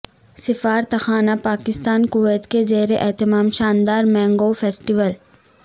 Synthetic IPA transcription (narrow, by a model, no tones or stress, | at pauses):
sɪfaːɾt̪ɐxaːnapaːkɪst̪aːnkʊʋeːt̪kezeːɾeʔɛɦt̪ɪmaːmʃaːnd̪aːɾmɛ̃ːŋɡoːfʰeːsʈɪʋəl